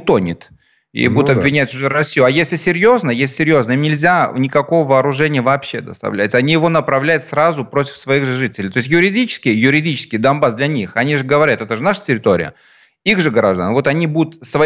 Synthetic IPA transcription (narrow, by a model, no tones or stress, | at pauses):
t̪o̞nʲɪ̰t̪ | ḭbud̪ʊt̪ɐbvʲɪnʲætʲʊʐɛɾɐsʲːijʊɐjesʲlʲɪsʲɪɾʲjo̞znəjesʲɪsʲɪɾʲjo̞znəimnʲɪlʲzʲanʲɪkɐko̞vəvɐːɾʊʐɛnʲɪjəvɐːpɕːe̞d̪ə̰st̪ɐ̰vlʲæ̰tʲɐnʲijɪvo̞nəpɾɐvlʲæjʊt̪sɾazʊpɾo̞tʲɪ̥fsvɐiɣʐɨʐɨtʲɪlʲɪjt̪o̞ɪsʲt̬ʲjʊɾʲɪdʲit͡ɕɪ̥skʲɪjjʊɾʲɪdʲit͡ɕɪskʲɪjd̪ɐnbasd̪lʲɐnʲixɐnʲiʐɨɡəvɐɾʲat̪ɛt̪əʐɨnaʂə̥tʲɪɾʲɪt̪o̞ɾʲɪ̰jə̰ | iɣʐɨɡəɾaʐd̪a̰nvo̞t̪ɐnʲibud̪ʊt̪svɐ